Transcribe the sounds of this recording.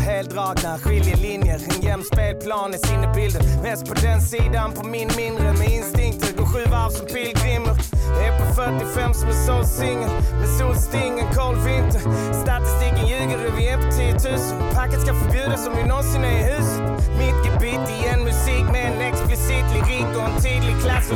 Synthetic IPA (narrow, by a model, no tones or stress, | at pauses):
heːlt̪ɾɑːknaɧɪljəlɪnjəɾɛnjɛmspeːlpʰlɑːnɪsɪnːəbɪld̪ənmɛːst̪̚pʰɔd̪ɛnsiːd̪anpʰɔmɪnmɪnd̪ɾəmɛɪnst̪ɪŋkt̪ʃʉːɡʊɧʉ̟ːvæɾsɔmfilkʰɾɪmːəɾdɛpʰɔfœʈːɪfɛmːsɔmɛsolsɪŋːəd̪ɛsuːlst̪ɪŋːənkʰɑːlfɪnt̪əst̪at̪ɪst̪iːkənjʉ̟ːɡənɾɛvɪɛpʰɔt̪ʰiːət̪ʰʉ̟ːsənpʰakːət̪skafœɾbjʉ̟ːd̪asɔmjɪnɔnsɪnɛɪɦʉ̟ːsət̪mʏkːəbit̪ɪɛnmʉsiːkmɛɛnɛksplɪsiːt̪lɪɾik̪ɔɛnt̪ʰiːd̪lɪɡ̚kʰlasː